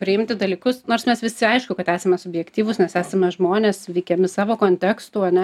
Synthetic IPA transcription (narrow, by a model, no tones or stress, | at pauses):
pʲɾʲɪɪmʲt̪ʲɪd̪ɐlʲiːkʊsnoːrsmʲɛsʋʲɪsʲɪɐɪʃkʊkɐt̪æːsʲɐmʲɛsʊbʲjɛkt̪ʲiːʋʊsnʲɛsæːsɐmʲɛʒmoːnʲeːsʋʲɛɪkʲɛmʲɪsɑːʋoːkoːnʲt̪ʲɛːkst̪uːɐnʲɛ